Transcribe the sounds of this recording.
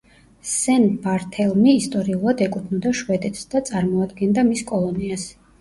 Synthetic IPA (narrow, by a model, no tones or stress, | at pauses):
sɛnbaɾt̪ʰɛlˠmiːst̪ʼɔɾiulˠad̪ɛkʼut̪ʰnɔd̪aʃwɛd̪ɛt̪ʰsd̪at̪sʼaɾmɔad̪ɡɛnd̪amiskʼɔlˠɔnias